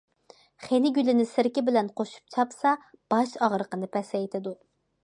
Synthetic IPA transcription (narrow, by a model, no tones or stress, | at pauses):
χenɪɡʲylɪnɪsɪɾkʲɪbɪlɛnqʰoʃu̥p̚t͡ʃʰɑpsɑb̥ɑʃɑʁɾəqənɨpʰɛsɛjt̪ʰɪd̪u